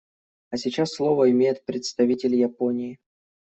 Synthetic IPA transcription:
ɐsʲɪt͡ɕasːlˠo̞vəɪmʲejɪt̪̚pɾʲɪt̪st̪ɐvʲitʲɪlʲjaponʲɪɪ

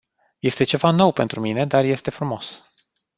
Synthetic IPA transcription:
je̞st̪e̞t͡ʃe̞vano̞wpe̞nt̪ɾumine̞d̪arje̞st̪e̞fɾumo̞s

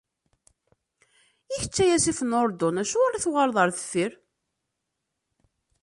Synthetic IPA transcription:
içə̥t͡sːæjæsifənoɾˤd̪ɔnæʃuæɾaθwʁəɾðˤəɾθə̥fːiɾ

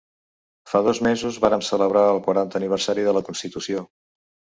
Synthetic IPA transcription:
faðɔzmezuzβaɾəmsələβ̞ɾaəlˠkwəɾant̪əːniβ̞əɾsaɾiðələkunst̪it̪usio

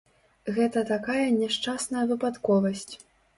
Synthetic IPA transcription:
ɣɛt̪ɐt̪akajɐnʲɛʂt͡ʂasnɐjɐvɨpat̪kɔvɐsʲt͡sʲ

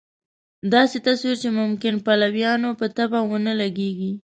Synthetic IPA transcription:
d̪ɑset̪aswiɾt͡ʃemʊmkɪnpalawjɑnopət̪abawənəlaɡeɡi

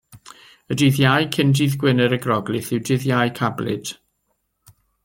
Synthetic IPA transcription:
ədɪðjajkʰɪndiðɡwɪnəɾəɡrɔɡlɨθɪwdɪðjajkʰablɪ̰d̥

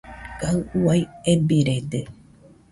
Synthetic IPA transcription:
kaɨuwajebiɾed̪e

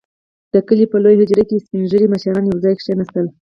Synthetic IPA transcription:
d̪̥əkəlipəlojhɪd͡ʒɾakespinʒəɾimaʃaɾɑnjawzɑjkʂenast̪əl

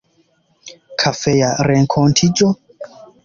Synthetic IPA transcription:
kʰafɛjaɾɛŋkʰɔntʰit͡ʃʼɔ

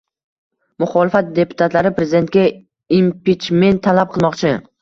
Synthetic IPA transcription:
mʊχɒlɪfat̪̚d̪e̞pʰʊ̥t̪ʰat̪laɾɪpɾezɪd̪e̞nt̪̚kʲa | impit͡ʃme̞nt̪ʰːalap̚qʰɨlˠmɒqt͡ʃʰɪ

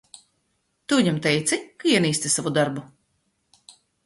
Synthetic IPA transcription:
t̪uiɲʲɛmt̪ɛjt̪sʲikaiɛniːst̪ʲisavud̪aɾbu

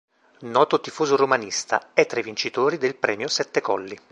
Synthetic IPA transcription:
nɔːt̪ot̪ifuːzoromanist̪a̰ɛt̪ːɾajvint͡ʃit̪oːɾid̪elpɾɛːmjosɛt̪ːekɔlːi

